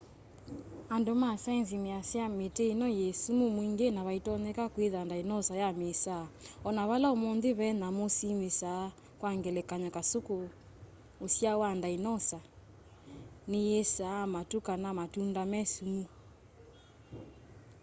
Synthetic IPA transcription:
andomasainzimeasjameteinɔjesumumwiŋɡenaβaitɔnɛkakweðandainɔsajamesaɔnaβalaomɔnðeβɛnamosimesa | kwaŋɡɛlɛkaɲakasoko | osjawandainɔsa | nejesamatukanamatundamɛsumu

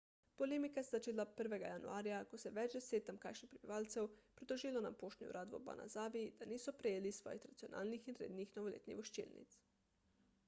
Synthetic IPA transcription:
polemikaszat͡ʃiːlapəɾʋɛɡajanṵaːɾjakosɛʋɛd͡ʒd̪eseːt̪amkajʃnixpɾebiʋaːlt̪sɛwpɾid̪oʒiːlona̰poːʃt̪ɲʲṵɾʔaːd̪ʋo̰ba̰nʔa̰zaːʋid̪̥aniːsɔpɾejeːlisʋɔ̰ːjixɾat̪sionʔa̰ːlnixinɾḛːd̪nixnoʋolḛːt̪nḭɣʋoʃt͡ʃḭːlnḭt̪s

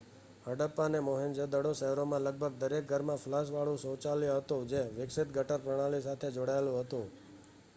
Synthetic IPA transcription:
ɦəɖəpːanemoɦind͡ʒəd̪əɽoʃəɦɛɾomãləɡ̚bʱəɡ̚d̪əɾek̚ɡʱəɾmãflas̬ʋaɭũsot͡ʃaljɦət̪ũd͡ʒeʋɪksɪt̪̚ɡʱəʈəɾpɾəɽ̃alis̬at̪ʰed͡ʒoɽaelũɦət̪ũ

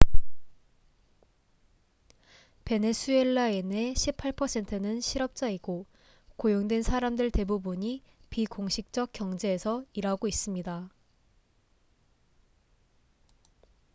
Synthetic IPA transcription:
pe̞nesʰue̞ɭːaene̞ɕʰipʰaɭpʰʌsʰe̞ntʰɯnɯnɕʰiɾʌp̚t͡ɕ͈aiɡo | kojoŋdwe̞nsʰaɾamdɯɭte̞bubuɲi | pikoŋɕʰik̚t͡ɕ͈ʌk̚k͈jʌŋd͡ʑe̞ːsʰʌiɾɦaɡois͈ɯmɲida

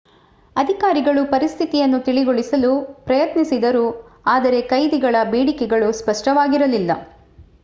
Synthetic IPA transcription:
ɐd̪ʱikaːɾiɡɐɭupɐɾist̪ʰit̪ijɐnːut̪iɭiɡoɭisɐlupɾɐjɐt̪nisid̪ɐɾuaːd̪ɐɾe̞kɐjd̪iɡɐɭɐbeːɽikɛɡɐɭuspɐʂʈɐʋaːɡiɾɐlilːɐ

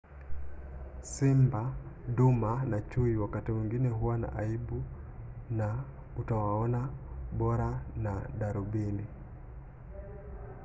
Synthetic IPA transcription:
simbaɗumanat͡ʃuiwakatimwiŋɡinɛɦuwana̰ʔaiɓu | na | utawaɔnaɓɔɾanaɗaɾuɓili

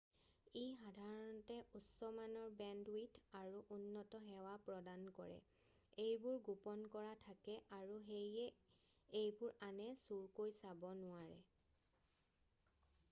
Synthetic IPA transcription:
ejxadʱaɹɔntɛʔusɔmanɔɹbɛndwitʰaɹuʔunːɔtɔɦɛwapɹɔdankɔɹɛ̰ | ejbʊɹɡupɔnkɔɹatʰakɛʔaɹuɦejɛ | ejbʊɹanɛsuɹkojsabɔnʊaɹɛ̰

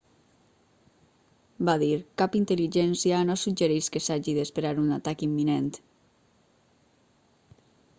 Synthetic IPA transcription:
baðiɾkapint̪əliʒɛnsianosud͡ʒeɾeskesaʒiðespeɾaɾunat̪akimːinent̪

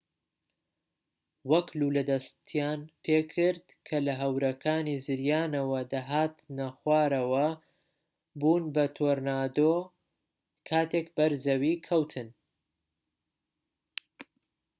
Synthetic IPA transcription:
wɐklulɐd̪ɐst̪ʰjaːnpʰeːkʰɨɾd̪kʰɐlɐɦɐwɾɐkʰaːnizɨɾjaːnɐwɐd̪aɦaːt̪nɐxwaːɾɐwɐ | buːnbɐt̪ʰoːɾnaːd̪oː | kʰaːt̪ʰek̚bɐɾzɐwiːkʰɐwt̪ʰɨn

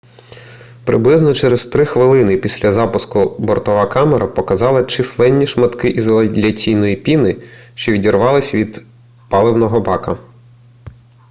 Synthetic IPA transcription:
pɾɪblˠɪznɔt͡ʃɛɾezt̪ɾɪxʋɪlˠɪnɪpʲisʲlʲɐzɑpʊskʊbɔrt̪ɔʋɐkɑmeɾɐpɔkɐzɑlˠɐt͡ʃɪslˠɛnʲːiʃmɐt̪kɪʔizɔlˠɐlʲɐt͡sʲijnɔjipʲinɪʃt͡ʃɔʋʲidʲirʋɑlˠɪsʲʋʲid̪ | pɑlˠɪwnɔɦɔbɑkɐ

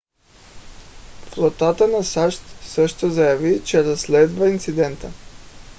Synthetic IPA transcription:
flˠot̪at̪ənasaʃt̪sɤʃt̪ozajavit͡ʃɛɾaslɛd̪vaint̪sid̪ɛnt̪ə

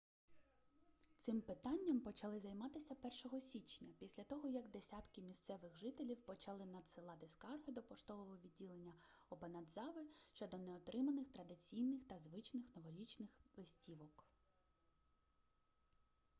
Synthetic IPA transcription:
t̪sɪmpɪt̪ɑnʲːɐmpɔt͡ʃɐlˠɪzɐjmɑt̪ɪsʲɐpɛrʃɔɦɔsʲit͡ʃnʲɐpʲisʲlʲɐt̪ɔɦɔjɐɡd̪esʲɑt̪kɪmʲist̪sɛʋɪɣʒɪt̪elʲiwpɔt͡ʃɐlˠɪnɐd̪sɪlˠɑt̪ɪskɑrɦɪd̪ɔpɔʃt̪ɔʋɔɦɔʋʲid̚ʲːilˠenʲːɐɔbenɐd̪zɑʋɪʃt͡ʃɔd̪ɔnɛɔt̪ɾɪmɐnɪxt̪ɾɐd̪ɪt͡sʲijnɪxt̪ɐzʋɪt͡ʃnɪxnɔʋɔɾʲit͡ʃnɪxlˠɪsʲtʲiʋɔk

